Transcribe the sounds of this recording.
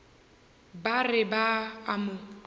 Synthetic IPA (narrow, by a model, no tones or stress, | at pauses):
barɪbaːmʊ